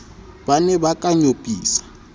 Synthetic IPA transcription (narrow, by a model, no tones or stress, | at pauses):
banɛbakʼaɲopʼiːsḁ